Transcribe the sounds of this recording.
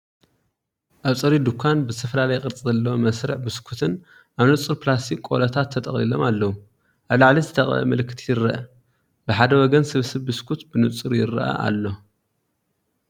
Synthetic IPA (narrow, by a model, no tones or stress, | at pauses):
ʔaβt͡sʼɨɾid̪ukʰːanbɨzɨt̪ʰɐfɐlalɐjkʼɨɾt͡sʼizɐlːɐwomɐsɾɨ̰ħbɨskʰut̪ʰɨn | ʔaβnɨt͡sʼɨɾpɨlast̪ʰikʼo̰lɐt̪ʰat̪ʰːɐt̪ʼɐχʼlilo̞malːɐwu | ʔaβlaʕlizɨt̪ʰɐχʼɐ̰mɐlɨkʰːɨt̪ʰijɪɾːɐʔɐ | bɨħad̪ɐwɔɡɐnsɨβsɨβbɨskʰut̪bɨnɨt͡sʼɨɾjɪɾɐ̰ʔɐ̰ʔa̰lːo̞